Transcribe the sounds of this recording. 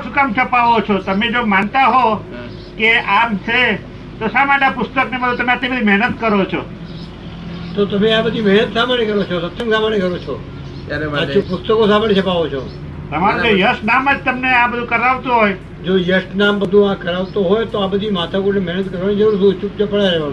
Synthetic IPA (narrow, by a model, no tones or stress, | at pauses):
sukamt͡ʃʰəpaʋot͡ʃʰot̪əmed͡ʒomant̪aɦo | keʔamt͡ʃʰe | t̪osamaɳãpʊst̪əknebəd̪ʱũt̪əmẽat̪nibəd̪ʱimɛɦnət̪kəɾot͡ʃʰo̰ | t̪ot̪əmeabəd̪ʱimɛɦnət̪samənikəɾot͡ʃʰosət̪ːəŋsãmaɳikəɾot͡ʃʰo | aopʊst̪əkosãmbəɳit͡ʃʰəpaʋot͡ʃʰo̰ | t̪əmaɾod͡ʒojəsʈnaməd͡ʒt̪əmneãbəd̪ʱũkəɾaʋt̪ũɦoj | d͡ʒojəsʈnambəd̪ʱũãkəɾaʋt̪oɦojt̪oabəd̪ʱimat̪ʰakuɾnemɛnət̪kəɾʋanid͡ʒəɾuɾsũt͡ʃup̚t͡ʃəpəɽaɾeʋa